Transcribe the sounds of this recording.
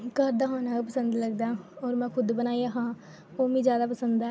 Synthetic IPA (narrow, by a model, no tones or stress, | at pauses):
kəɾd̪aːɦoːnaːkapəsə̃nd̪ləɡd̪aːɔːɾmɛ̃ːkʰʊd̪bənaːiaɦãː | oːmĩd͡ʒjaːd̪apəsə̃nd̪ɛ